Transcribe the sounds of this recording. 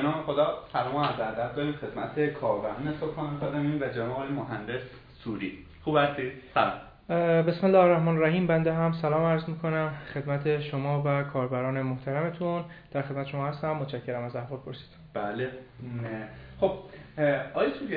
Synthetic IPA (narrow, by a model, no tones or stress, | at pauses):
benɒːmexod̪ɒːsælɒːmoæzæɾd̪æt̪̚d̪ɒːɾiːmxe̞d̪̥mæt̪ʰekʰɒːɾbæɾɒːnesobhɒːnekʰɑd̪æmiːnvæd͡ʒænɒːlemoɦænd̪e̞sː | uːɾi | xuːbhæst̪id̪̥sælɒ̰m | be̞smenlːɒɾæhmɒːnɾæhiːmbænd̪eɦæmsælɒːmæɾzmiːkʰo̞næmxe̞d̪mæt̪ʰe̞ʃomɒːvækʰɒːɾbæɾɒːne̞moht̪ʰæɾæme̞t̪ʰun | d̪̥æɾxed̪mæt̪eʃo̞mɒːhæst̪æmːot̪t͡ʃʰæcʰːeɾæmæzæɦvɒːlpʰo̞ɾsi̥d̪ | b̥æle | χob̥̚ | ɒːjit͡ʃʰue